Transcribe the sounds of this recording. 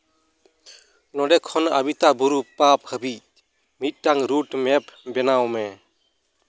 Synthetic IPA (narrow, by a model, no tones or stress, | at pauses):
nɔdɛkʰɔna̰bit̪abuɾupap̚həbi | mit̪̚ˀːaŋɾuʈmɛpbɛnawmɛ